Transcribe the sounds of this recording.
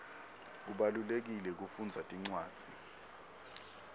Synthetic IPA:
k̬uɓalulek̬ilɛk̬ufund͡zʱatʼiŋ͡ǀwaːd̥d͡z̥ʱi

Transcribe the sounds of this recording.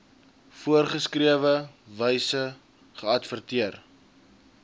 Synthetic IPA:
fuərχəskriəvəvəjsə | χəɐtfərtiər

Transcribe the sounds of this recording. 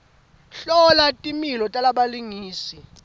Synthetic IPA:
ɬɔlatʼimilɔtʼalaɓaliŋiːsi

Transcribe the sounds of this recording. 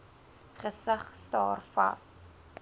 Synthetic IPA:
χəsəχstɑːrfɐ̰s

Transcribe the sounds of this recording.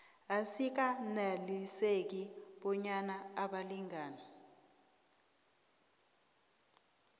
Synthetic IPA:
asik̬analisek̬iɓɔɲanaːɓaliŋaːna

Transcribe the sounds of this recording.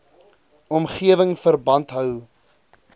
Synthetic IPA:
ɔmχiəvəŋfərbɐntɦœw

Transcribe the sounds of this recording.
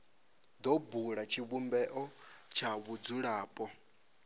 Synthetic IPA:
d̪ɔbuɺat͡ʃʰiβumbɛʔɔt͡ʃʰaβud͡zuɺaːpʼɔ

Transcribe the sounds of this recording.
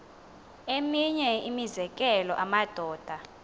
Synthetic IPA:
emiɲɛimizɛkʼɛlɔ̰ʔamad̥ʱɔːd̥ʱa

